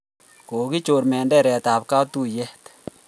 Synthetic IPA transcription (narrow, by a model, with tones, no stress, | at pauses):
ko˨ki˦t͡ʃo˨ɾmɛ˨ndɛ˦˨ɾɛ˨ta˨pka˦tu˦˨jɛ˦t